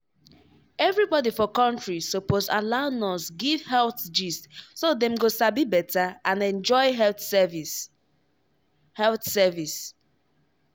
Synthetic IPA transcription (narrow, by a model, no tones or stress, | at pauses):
ɛvɹibɔdifɔkɔ̃ntɹisoposa̰laʊnɔsɡivhɛlθd͡ʒistsodɛ̃mɡosabibɛtaãnɛ̃nd͡ʒɔɪɦɛθv | hɛlθsɛvis